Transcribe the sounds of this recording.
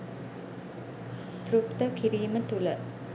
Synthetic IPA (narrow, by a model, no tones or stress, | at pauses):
t̪ɾupt̪əkiɾiːmət̪ulə